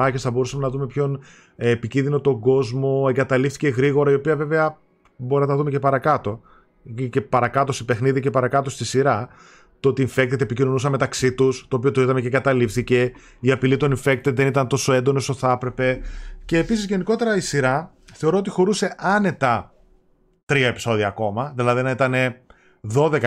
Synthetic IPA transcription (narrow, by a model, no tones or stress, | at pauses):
ɐçesθɐbo̞ɾusɐmenɐðume̞pço̞n | epicinðino̞t̪o̞ɡo̞zmo̞eŋɡɐt̪ɐlifθice̞ɣɾiɣo̞ɾɐio̞piɐve̞ve̞ɐ | boɾinɐnɐðume̞cepɐɾɐkɐt̪o̞ | cepɐɾɐkɐt̪o̞st̪ipe̞xniðice̞pɐɾɐkɐt̪o̞st̪isiɾɐ | t̪oot̪iːɱfek̚t̪et̪epicino̞nusɐme̞t̪ɐksit̪ust̪oːpio̞t̪oiðɐmeceŋɡɐt̪ɐlifθice̞ | iɐpilit̪o̞niɱfe̞k̚t̪eðe̞nit̪ɐnt̪o̞so̞e̞nd̪o̞no̞soθɐpɾe̞pe̞ce̞ːpisizʝe̞niko̞t̪e̞ɾɐisiɾɐ | θe̞o̞ɾoot̪ixo̞ɾuse̞ʔɐne̞t̪ɐ | t̪ɾiɐe̞pi̥so̞ðiɐːko̞mɐðilɐðinɐit̪ɐne̞ | ðo̞ðe̞k